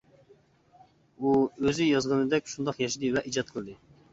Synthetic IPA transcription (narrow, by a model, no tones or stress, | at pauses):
uøzɪjɑzʁɑnɨd̪ɛkʲʃund̪ɑqjɑʃid̪ɨvɛʔid͡ʒɑt̪̚qʰəlˠɨd̪ɨ